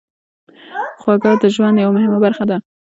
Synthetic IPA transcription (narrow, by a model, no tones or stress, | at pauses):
xwaɡɑd̪əʒwand̪jawamʊhɪmabaɾxad̪a